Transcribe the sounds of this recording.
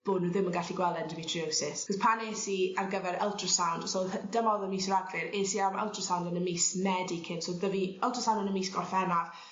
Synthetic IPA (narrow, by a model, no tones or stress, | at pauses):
b̥ʊnəðɪmənɡaɬiɡwɛlˠɛndəmitʰriowsɪskɔspʰaneːsiarɡəvɛɾɛlˠtʰrəsawnd̥sod̥əmɔðəmiːsəɾaɡlɪɾeːsiamɛ̰lˠtʰrəsawndənəmiːsmɛdikʰɪnsoðəviɛlˠtʰrəsawndənəmiːsɡ̥ɔrfɛnav